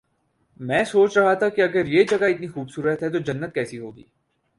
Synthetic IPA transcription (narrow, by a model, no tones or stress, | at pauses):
mɛ̃ːsoːt͡ʃɾɐɦat̪ʰakiɐɡəɾjed͡ʒɐɡaɪt̪nixuːbsuːɾət̪ɦɛt̪̬od͡ʒɐnːət̪̚kɛːsiɦoːɡḭː